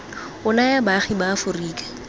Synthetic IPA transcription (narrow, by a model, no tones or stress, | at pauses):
ʊnajabaχibafʊriːkḁ